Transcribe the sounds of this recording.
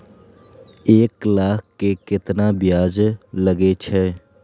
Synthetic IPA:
eːklaːkʰkekɪt̪nabɪjaːd͡ʒlɐɡet͡ʃʰɛː

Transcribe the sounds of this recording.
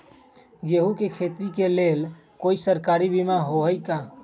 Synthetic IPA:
ɡeɦukekʰet̪ɾikelel | koisəɾkaɾibimaɦoɦəjka

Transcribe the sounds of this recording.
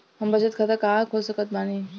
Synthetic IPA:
ɦəmbət͡ʃət̪̚kʰət̪əkaɦãkʰosəkət̪̚baːni

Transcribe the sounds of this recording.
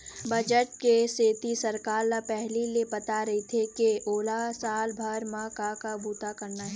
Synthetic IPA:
bɐd͡ʒəʈ̚keseːt̪isɐɾkaːɾlapɛɦliliepɐt̪aɾɐɦit̪ʰekeʔoːlasaːlbʱɐɾmãkakabuːt̪akɐɾnaɦɛː

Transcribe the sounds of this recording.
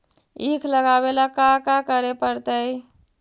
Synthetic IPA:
ikʰləɡabelakakakəɾepəɾt̪əj

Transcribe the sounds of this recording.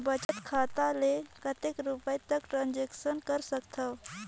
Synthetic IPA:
bət͡ʃət̪kʰat̪alekət̪ekɾupəjt̪əkʈɾãnd͡ʒeksənkəɾsəkt̪ʰəw

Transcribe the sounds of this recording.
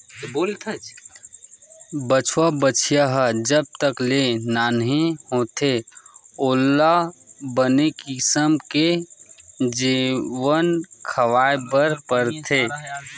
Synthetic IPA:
boːlt̪ʰɐd͡ʒ | bət͡ʃʰwabət͡ʃʰijaɦəd͡ʒəb̚t̪əklenaːnɦĩhot̪ʰe | oːlːabənekɪsəmke | d͡ʒiʋənkʰəʋaːebəɾpəɾt̪ʰeː

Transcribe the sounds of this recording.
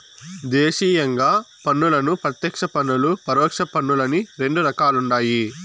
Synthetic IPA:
d̪eːʂiːjɐŋɡaːpɐnːulɐnupɾɐt̪jɐkʂɐpɐnːulupɐɾɔːkʂɐpɐnːulɐniɾe̞ɳɖuɾɐkaːluɳɖaːji

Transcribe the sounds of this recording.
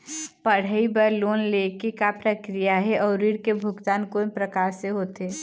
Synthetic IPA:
pəɽ̤əibəɾloːnlekekapɾəkɾijaɦɛʔɔːɾiːɽkebʱʊɡt̪aːnkoːnpɾəkaːɾseɦoːt̪eː

